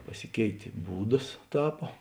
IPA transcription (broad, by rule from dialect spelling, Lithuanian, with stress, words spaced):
pɐˈsʲɪkʲɛɪtʲeː ˈbuːdɐs ˈtɑːpoː